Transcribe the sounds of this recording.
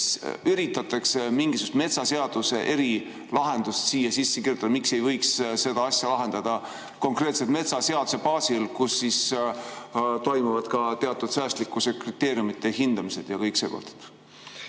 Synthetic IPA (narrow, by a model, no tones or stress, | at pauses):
syɾit̪ːˑɑt̪ːˑɑksemiŋɡ̥isu̥st̪me̞t̪sɑseɑd̪̥use̞ʔe̞ɾi | lɑɦe̞nd̪̥ust̪siːjɑsisːekirjut̪ɑd̪ɑmikse̞jvɤ̞jksse̞d̪̥ɑɑsʲjɑlɑɦe̞nd̪̥ɑd̪̥ɑ | ko̞ŋkret̪set̪me̞t̪sɑseɑd̪u̥se̞pɑːsilkusːis | t̪o̞jmuvɑd̪̥kɑt̪e̞ɑt̪ːˑud̪̥sæːst̪likːˑusekrit̪ːe̞ːɾjumit̪ːˑe̞hind̪ɑmise̞d̪̥jɑkɤjkseːko̰lt̪t̪